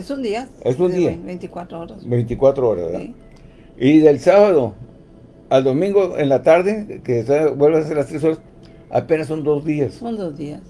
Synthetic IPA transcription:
esund̪iaesund̪iabejnt̪ikwat̪ɾooɾasbejnt̪ikwat̪ɾooɾa̰zβeɾða̰ | iðelsaβaðo | ald̪omĩŋɡoenlat̪aɾðekesabwe̞lβesaseɾlast̪ɾeso̞ɾas | a̰penasond̪o̞zd̪iasond̪ozðias

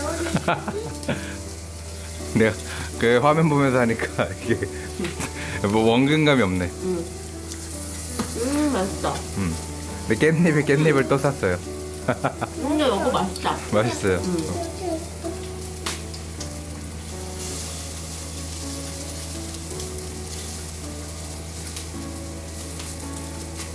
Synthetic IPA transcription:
ne | kɯɸwamjʌnbomjʌnsʰʌɦaɲik͈aiɡe | ʌwʌŋɡɯŋɡamiʌmne̞ | mas͈a | ɯm | nek͈enːibik͈enːibɯɭt͈os͈ʰas͈ʌjo | uɲʌɡomast͡ɕ͈amas͈ʌjo

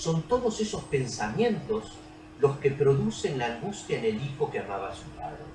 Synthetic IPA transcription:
so̞nt̪o̞ðosesospe̞nsamjẽ̞nt̪o̞s | lo̞ske̞pɾo̞ðuse̞nlaːŋɡust̪jaene̞lixo̞keamaβasula̰ðo

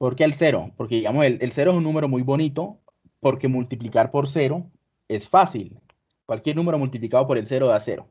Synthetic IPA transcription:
po̞ɾkeːlse̞ɾo̰po̞ɾkeðiɣamoselelse̞ɾoesunːũme̞ɾo̞mujbo̞nit̪o̞ | po̞ɾke̞mult̪iplikaɾpo̞ɾs̬e̞ɾo̞ | e̞sfasil | kwalkjeɾnũme̞ɾo̞mult̪̬iplikaðo̞p̬o̞ɾelse̞ɾoðase̞̰ɾo̞̰

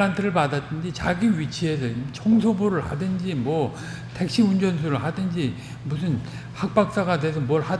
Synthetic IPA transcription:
antʰɯɾɯɭpadatt͈ɯnd͡ʑit͡ɕaɡiwɥit͡ɕʰie̞s̬ʰʌit͡ɕʰʌŋsʰoboɾɯɭha̰dɯnd͡ʑimwʌ | te̞k̚ɕ͈iund͡ʑʌnsʰuɾɯɭɦadɯnd͡ʑi | musʰɯn | hak̚p͈ak̚s͈aɡadeesʰʌmwʌɭha

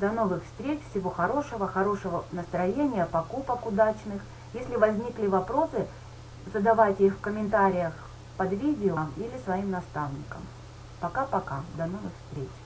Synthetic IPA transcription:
d̪ɐno̞vɨxfst̪ɾʲet͡ɕfsʲɪvo̞xɐɾo̞ʂəvəxɐɾo̞ʂəvənəst̪ɾɐjenʲɪjəpɐkupəkʊd̪at͡ɕnɨx | jesʲlʲɪvɐzʲnʲiklʲɪvɐpɾo̞sɨ | zəd̪ɐvajtʲixfkəmʲɪnt̪aɾʲɪjəx | pɐd̪vʲidʲɪəmilʲɪsvɐimnɐst̪avnʲɪkə̰m | pɐkapɐkad̪ɐno̞vɨxfst̪ɾʲet͡ɕ

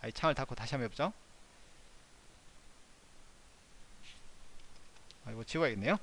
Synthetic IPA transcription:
ait͡ɕʰaŋɯɭtak͈ʰotaɕʰiamiʌp̚t͡ɕ͈o | aɾiɡot͡ɕiwaeɡenːe̞jo

